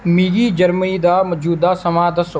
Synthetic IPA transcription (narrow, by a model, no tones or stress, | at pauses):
miːɡiːd͡ʒəɾməniːd̪aːmɔd͡ʒuːd̪aːsəmaːd̪əs